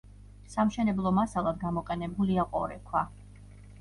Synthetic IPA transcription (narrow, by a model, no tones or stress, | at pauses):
samʃɛnɛblˠɔmasalˠad̪ɡamɔqʼɛnɛbuliaqʼɔ̰ɾɛkʰwa